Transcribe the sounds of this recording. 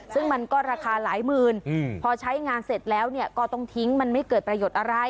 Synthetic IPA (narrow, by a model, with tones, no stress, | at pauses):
sɯ˥˩ŋma˧nkɔː˥˩ɾaː˧kʰaː˧laː˩˦jmɯː˧˩npʰɔː˧t͡ɕʰa˦˥jŋaː˧nse˨˩t̪̚lɛː˦˥wni˥˩ɐkɔː˥˩t̪ɔ˥˩ŋt̪ʰi˦˥ŋma˧nma˥˩jkɤː˨˩t̪̚pɾa˧joː˨˩t̪̚ʔa˧ɾa˧j